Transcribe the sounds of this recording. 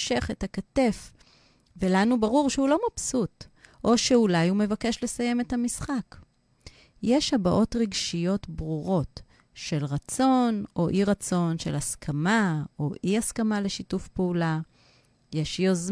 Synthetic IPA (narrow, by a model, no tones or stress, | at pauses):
ʃe̞χethakate̞f | velanubaʁuʁʃeulo̞mapsutʔo̞ʃeulajume̞vake̞ʃle̞saje̞methamisχak | jeʃhabaʔo̞tʁiɡʃijo̞tbʁuʁo̞t | ʃe̞lʁat͡so̞no̞ʔiʁat͡so̞nʃe̞̰laskʰamaoʔiaskamale̞ʃitufpeula | je̞ʃjoz